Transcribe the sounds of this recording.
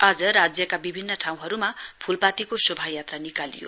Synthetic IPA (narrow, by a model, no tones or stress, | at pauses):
ad͡zʌɾad͡zjʌkabibʱinːʌʈʰaw̃ɦʌɾumapʰulpat̪ikosʌbʱajat̪ranikalḭjo̰